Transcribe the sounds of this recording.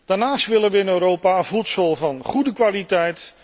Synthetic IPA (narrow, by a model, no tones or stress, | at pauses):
d̥aːɹnaːstʋɪlənʋəɪnøɾowpaəvutsɔlˠvɑnχudəkʋaːlitɛjt